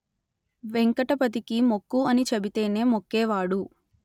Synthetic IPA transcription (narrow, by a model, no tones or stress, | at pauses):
ʋeŋkɐʈɐpɐt̪̬ikimo̞kːuɐnit͡ʃɐbit̪e̞ːne̞ːmokːɛːʋaːɽu